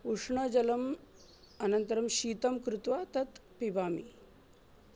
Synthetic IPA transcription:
uʂɳɐd͡ʑɐlɐm | ɐnɐnt̪ɐɾɐmɕiːt̪ɐmkɾut̪ʋat̪ɐt̪pibaːmḭ

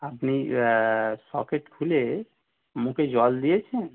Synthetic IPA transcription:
əpni | sɔ̰keʈkʰule | mũked͡ʒɔld̪iɛt͡ʃʰɛ̃

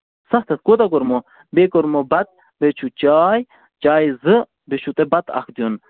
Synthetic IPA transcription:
sɐht̪ʰɐt̪̚kot̪ɐkoɾmo | beːkoɾmobɐt̪̚ | bet͡ʃʰut͡ʃaːj | t͡ʃaːjzɨ | bet͡ʃʰut̪ebɐt̪ɐ̰kʰd̪jon

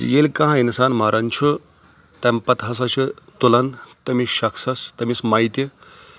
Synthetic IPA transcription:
d͡ʒḭjelʲkɐ̃ɦãinsaːnmɐɾʔɐnt͡ʃʰu | t̪ɐmpɐt̪ɦɐs̬ɐt͡ʃʰit̪ulɐnt̪ɐmiʃɐkʰsɐst̪ɐmismɐjt̪i

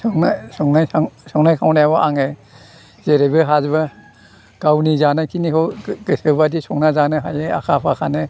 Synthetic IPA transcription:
sɔŋnasɔŋnajsɔŋnajkʰawnajabɔʔaŋe | zeɾebɯɦazba | ɡ̥awnizanɯkʰiniɦɔɡɯsɯbadisɔŋnazanɯɦajea̰kʰapʰakʰanɯ

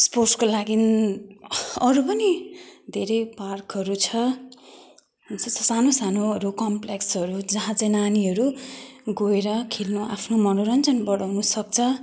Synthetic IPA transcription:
sporʈkolaɡin | ʌɾupʌnid̪ʱeɾʌjparkɦʌɾut͡sʰʌ | d͡zʌsanosanoʌɾukʌmpleksʌɾud͡zʌɦãt͡sʌ̃jnaniɦʌɾuɡoeɾʌkʰilnoʔa̰pʰnomʌnoɾʌnt͡sʌnbʌɽawnusʌk̚t͡sʰʌ

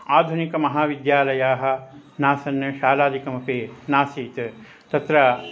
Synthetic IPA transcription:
aːd̪ʱunikɐmɐɦaːʋid̪jaːlɐjaːɦɐ̆ | naːsɐnːɐʃaːlaːd̪ʱikɐmɐpeːnaːsiːt̪ | t̪ɐt̪ɾɐ

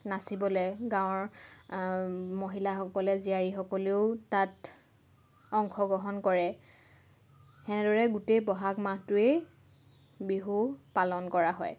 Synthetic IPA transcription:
nasibɔlɛɡãw̃ɹ | moɦilaxɔkɔlɛziaɹixɔkɔleʊtat | ɔŋxɔɡɔɦɔnkɔɹɛ | xɛnɛdɔɹɛɡutejpɔɦakmatʊe | biɦupalɔnkɔɹaɦɔj

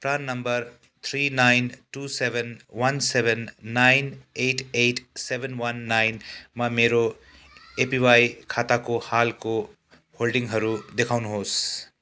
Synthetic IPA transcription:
pɾanːʌmbʌɾ | t̪ʰɾinajnʈusebʱenwʌnsebʱenːajneʈʰeʈʰsebʱenwʌnːajnmameɾo | epiwajkʰat̪akohalko | holɖiŋɦʌɾud̪ekʰawnuɦos

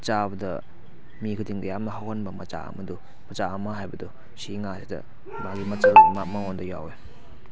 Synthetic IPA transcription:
t͡ʃabɐdɐ̰ | mikʰudiŋdɐjamnɐɦawhanbɐmɐt͡ʃa̰ɐ̰mɐdu | mɐt͡ʃaɐmːɐɦajbɐdu | siŋasidɐ̰ | maɡimɐt͡ʃʰaɡimamaŋondɐja̰we

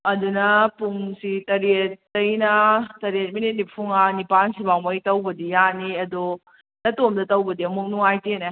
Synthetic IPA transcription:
ɐdunɐpumsitɐɾiet̚ːɐjnɐtɐɾiet̚minit̚nipʰuŋanipansibawmɐjtɐwbɐdijaniɐdɔ | nɐtomdɐtɐwbɐdiɐmuk̚nuŋajtine

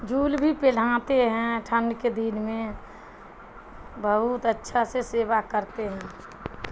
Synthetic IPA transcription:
d͡ʒuːlbʱipel̤ãːt̪eɦɛ̃ʈʰə̃ɳɖked̪inmẽ | bəɦut̪ətːʃʰaseseːbakəɾt̪eɦɛ̃ː

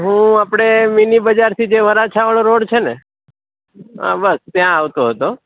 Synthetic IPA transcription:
ɦũapɽ̃eminibəd͡ʒaɾt̪ʰid͡ʒeʋəɾat͡ʃʰaʋaɭoɾoɽt͡ʃʰene | ɦa̰bəst̪jãaʋt̪oɦət̪o

